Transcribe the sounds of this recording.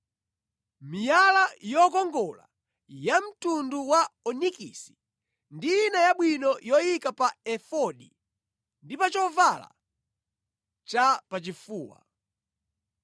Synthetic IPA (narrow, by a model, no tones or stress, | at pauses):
mijalajɔkɔŋɡɔla̰ | jam̩tunduwaɔnikḭsi̥ | ndijːnajaɓwinɔjɔjikapaɛfɔɗḭ | ndipat͡ʃɔvala̰ | t͡ʃapat͡ʃifuːwa̰